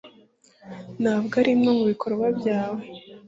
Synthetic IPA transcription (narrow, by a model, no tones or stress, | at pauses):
naːbɡaɾimno̞muβikʰo̞ɾwabɟaːwe̞